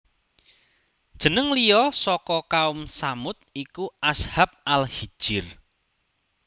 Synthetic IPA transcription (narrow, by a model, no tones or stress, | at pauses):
d̥ʒ̥ə̤nəŋlijɔsɔkɔkaʊmsamʊt̪̚ikuʔashap̚alhid̥ʒ̥ɪr